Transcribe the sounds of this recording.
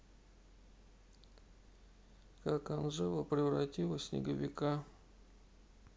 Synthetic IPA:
kakanʐɛvəpɾʲɪvrɐtʲilˠəsʲnʲɪ̰ɡəvʲɪka

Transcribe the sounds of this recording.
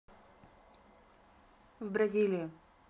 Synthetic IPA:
vbɾɐzʲilʲɪjɪ

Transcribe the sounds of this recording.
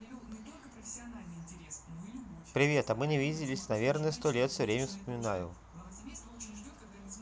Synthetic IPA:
pɾʲɪvʲet̪ɐmɨnʲɪvʲidʲɪlʲɪsʲnɐvʲernəjəst̪olʲet̪fsʲɵvɾʲemʲəfspəmʲɪnajʊ̰

